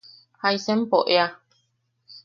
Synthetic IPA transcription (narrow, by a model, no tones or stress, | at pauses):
hajsẽm̩poʔea